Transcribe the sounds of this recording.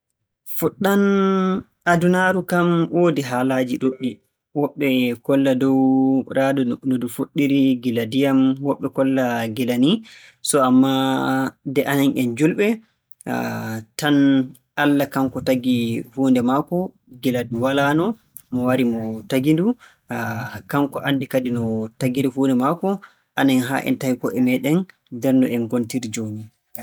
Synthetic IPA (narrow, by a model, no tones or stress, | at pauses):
fuɗːan | adunaɾukamwoːdiɦaːlad͡ʒiɗuɗi | wɔɓːɛkɔlːadɔwɾʔaːdɔnnodufoɗːiɾiɡiladijamwɔɓːɛkɔlːaɡɛlanisɔamːa | dɛʔananʔɛnd͡ʒulɓɛ | tan | ʔalːakaŋkɔtaɡihuːndɛmakɔ | ɡiladuwalanɔ | mɔwaɾimɔtaɡindu | kaŋkɔʔanːdikadinɔtaɡiɾihuːndɛmakɔ | ʔananɦa̰ʔɛ̰ntahikɔʔɛmɛɗɛn | dɛɾnɔʔɛnɡontiɾid͡ʒoni